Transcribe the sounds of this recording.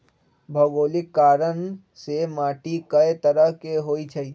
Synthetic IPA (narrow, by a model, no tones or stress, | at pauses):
bʱəɡoːlɪkːaːɾən | semaːʈikəet̪əɾəɦkeɦoːit͡ʃʰəi